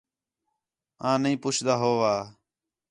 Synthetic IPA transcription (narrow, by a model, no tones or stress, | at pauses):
ãːnəĩːpʊt͡ʃʰd̪aːɦoːʋaː